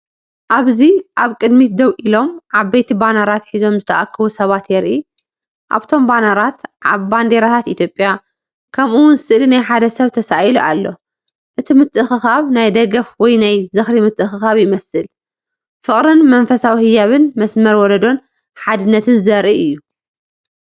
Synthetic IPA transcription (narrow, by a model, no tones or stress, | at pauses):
ʔaβziʔaβkʼɨd̪mid̪ɐwʔilo̞mʔaβbɐjt̪ʰibanaɾat̪ħizo̞mzɨt̪ʰɐʔakʰːɐβusɐβat̪jɛɾʔi | ʔa̰βt̪ʰo̞mbanaɾat̪ʔa̰βband̪eɾat̪ʰat̪it̪ʰjopʼja | kʰɐmʔuwʊnzɨsɨʔlinajħad̪ɐsɐβt̪ʰɐsajluʔalːo̞ | ʔɨt̪ʰimɨt̪ʼːɨxɨxaβnajd̪ɐɡɐfwɔjnajzɨxɾimɨt̪ʼːɨxɨxaβjɪmɐsɨl | fɨχʼɾɨnmɐnfɐsawihɨjaβɨnmɐsmɐɾwɔɾɐd̪o̞n | ħad̪ɨnːɐt̪ʰɨnzɐɾʔiɨjːu